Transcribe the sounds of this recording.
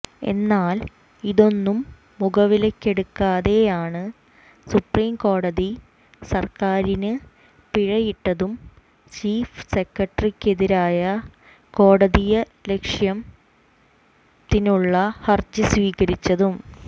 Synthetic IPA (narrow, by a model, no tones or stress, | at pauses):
e̞̰nːaːl | iðo̞nːumː | uɡɐʋilekːe̞ɽukːaːðe̞jaːɳɨ | supriːmko̞ːɽɐði | sɐrkaːɾinɨ | piɻɐjiʈːɐðum | t͡ɕiːfse̞kːɐʈrikʲːe̞ðiɾaːjɐ | ko̞ːɽɐðijɐ | le̞kʂjɐm | t̪inuɭːɐhɐrd͡ʑɨsʋiːɣɐɾit͡ɕːɐðum